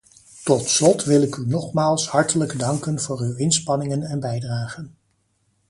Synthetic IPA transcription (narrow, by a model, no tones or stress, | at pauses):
tɔtslɔtʋɪlɪkynɔχmaːlˠshɑɹtələɡdɑŋkənv̥ʊːrywɪnspɑnɪŋənɛnbɛjdraːχən